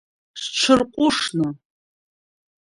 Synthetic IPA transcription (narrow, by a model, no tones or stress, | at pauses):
sʈ͡ʂʷʰɨrqʷʼʊʂnɨ